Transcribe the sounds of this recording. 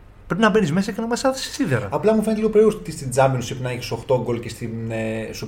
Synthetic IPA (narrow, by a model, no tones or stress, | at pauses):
pɾepinɐbe̞nizmesɐcenɐmɐsɐðsi̥siðeɾɐ̰ɐplɐmufe̞net̪eliɣoɾeust̪ist̪id͡zɐmbinosipnɐeçi̥soxt̪oɡolcest̪isu